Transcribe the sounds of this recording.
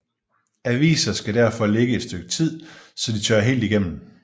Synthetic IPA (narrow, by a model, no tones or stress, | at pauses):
æʋḭːsɐsɡ̥æɾ̥æɐ̰fɒ̽leɡ̥əed̥sd̥øɡ̥̚t͡sʰið̰ˠsɒ̽d̥it͡sʰɶɐɦe̝̰ːld̥iɡ̥em̰m̩